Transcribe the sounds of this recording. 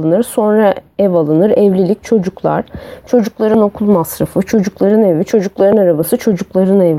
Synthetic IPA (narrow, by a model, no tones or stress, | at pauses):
ɯnɯɾso̞nɾaɛvalˠɯnɯɾɛvlʲilʲic̚t͡ʃʰo̞d͡ʒuklˠa̰ɾ̥t͡ʃʰo̞d͡ʒuklˠaɾɯno̞kʰulˠmasɾafɯt͡ʃʰo̞d͡ʒuklˠaɾɯnɛvit͡ʃʰo̞d͡ʒuklˠaɾɯnaɾabasɯt͡ʃʰo̞d͡ʒuklˠaɾɯnɛv